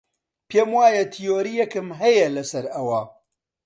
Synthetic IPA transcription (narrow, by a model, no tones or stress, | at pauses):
pʰeːmwaːjɐt̪ʰijoːɾijɐkɨmɦɐjɛlɐsɐɾɐwɐ